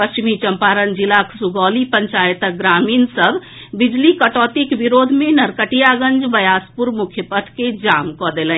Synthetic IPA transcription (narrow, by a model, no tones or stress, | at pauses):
pəst͡ʃimit͡ʃəmpaɾənd͡ʒilaksuɡɔlipəɲt͡ʃajt̪əɡɾaminsəbʱ | bid͡ʒlikəʈɔt̪ikbiɾod̪ʱmenəɾkəʈijaɡə̃nd͡ʒbəjaspuɾmukʰjəpəʈ̪ʰked͡ʒamkɔd̪elən